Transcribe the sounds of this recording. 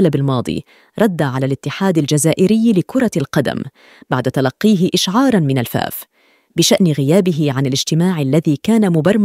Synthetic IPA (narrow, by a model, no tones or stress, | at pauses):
labalmɑːd̪ˤḭː | ɾˤɑd̪ːaʕalalɪt̪ːɪħaːd̪ald͡ʒazaːʔɪɾɪjːlɪkʊɾˤɑlqɑd̪a̰m | baʕd̪at̪alɑqːiːɦɪʔɪʃʕɑːɾˤɑnmɪnalfa̰ːf | bɪʃaʔnɣɪjaːbɪɦɪʕanɪlɪd͡ʒt̪ɪmaːʕalːaðiːkaːnamʊbɑrˤːm